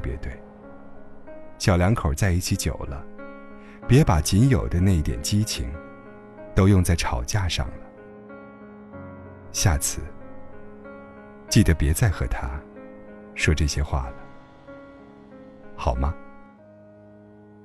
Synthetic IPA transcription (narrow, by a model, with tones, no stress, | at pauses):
pjɛ̰˧˥t̪we˥˩ɪ | ɕjɑ˨˩ʊljɑ˧˥ŋkʰo˨˩ʊt͡sa˥˧ɪi˥˩t͡ɕʰi˧˥t͡ɕjo̰˨˩ʊlə˦ | pjɛ˧˥pa˨˩t͡ɕi˧˥njo˨˩ʊd̪ə˦na˥˧i˥˩t̪jɛ̰˨˩nt͡ɕi˥t͡ɕʰḭ˧˥ŋ | t̪o˥ʊjʊ˥˧ŋt͡sa˥˩ɪʈ͡ʂʰɑ˨˩ʊt͡ɕja˥˧ʂɑ̰˥˩ŋlə˩ | ɕja˥˩t͡sʰɹ̩˥˧˩ | t͡ɕi˥˩d̪ə˩pjɛ˧˥t͡sa˥˩ɪxɤ̰˧˥t̪ʰa˥ | ʂwɔ˥ʈ͡ʂɤ˥˩ɕjɛ˥xwa̰˥˩lə˩ | xɑ˨˩ʊmɐ˦